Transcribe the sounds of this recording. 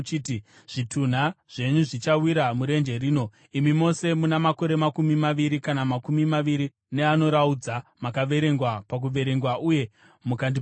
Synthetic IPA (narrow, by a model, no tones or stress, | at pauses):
t͡ʃiti | ʐ̥itʰun̤aʐ̥e̞ɲuʐit͡ʃawiɾamuɾe̞nd͡ʒe̞ɾiːno̞ | imimo̞se̞munamako̞ɾe̞makumimaʋiɾikanamakumimaʋiɾi | ne̞ano̞ɾaud͡zamakaʋe̞ɾe̞ŋɡwapak̬uʋe̞ɾe̞ŋɡwaʔuje̞ | mukandi